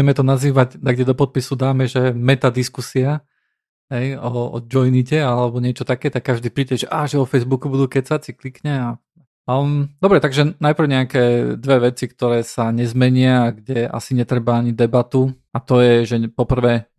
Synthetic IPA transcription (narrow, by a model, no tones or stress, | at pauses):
ɛmɛt̪ɔnaziːʋaɟd̪aɡɲɛd̪ɔpɔt̪̚pisud̪aːmɛʒɛmɛt̪ad̪iskusia | ɦɛjɔɔ̰d͡ʒɔjnicɛalɛbɔɲɪɛt͡ʃɔt̪akɛːt̪akːaʒd̪iːpɾiːɟɛʒɛʔaːʒɛɔfɛjzbukubud̪uːkɛcsat͡siklikɲɛa | md̪ɔbɾɛt̪aɡʒɛnajpɾ̩ʊɲɛakɛːd̪ʋɛʋɛt͡sikt̪ɔɾɛːsaɲɛzmɛɲɪaɡɟɛa̰siɲɛt̪ɾɛbaaɲid̪ɛbat̪u | at̪ɔjɛʒɛpɔpr̩ʋɛː